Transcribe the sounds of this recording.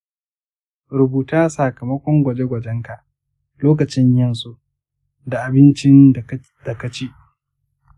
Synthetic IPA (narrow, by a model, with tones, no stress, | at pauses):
ɾʊ˨buː˨taː˦sa˨kɐ˨mɐ˦kʷɔ˦ŋɡʷɐ˨d͡ʒe˦ɡʷɐ˨d͡ʒɛ˦ŋka˨ʔ | loː˦k̬ɐ˨t͡ʃɪ˦ɲjɐ˦nsu˦ʔ | da˨ʔa˨bɪ˦nt͡ʃɪ˦n | d̥a˨ka˦t͡ʃeː˦ʔ